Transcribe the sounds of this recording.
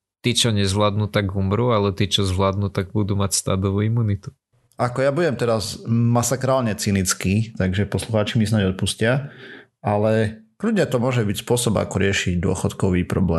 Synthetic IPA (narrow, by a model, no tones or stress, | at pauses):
t̪it͡ʃɔɲɛzʋlaːd̪nut̪aɡumɾuːalɛt̪it͡ʃɔzʋlaːd̪nuːt̪aɡ̚bud̪uːmacst̪aːd̪ɔʋuːimunit̪u̥ | ʔakɔjabuɟɛmt̪ɛɾazmasakɾaːlɲɛt͡sinit͡skit̪aɡʒɛpɔsluxaːt͡ʃimisnaɟɔt̪̚puscɪa | alɛ | kludɲɛt̪ɔmʊɔʒɛbicspʊɔsɔba̰kɔɾɪɛʃiɟd̪ʊɔ̰xɔt̪kɔʋiːpɾɔ̰blɛ̰ː